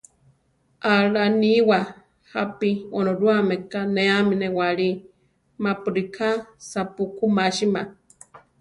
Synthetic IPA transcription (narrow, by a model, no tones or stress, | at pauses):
aɺaniwa | hapionoɾuamekaneaminewaɺi | mapuɾikʰasapukumaʃima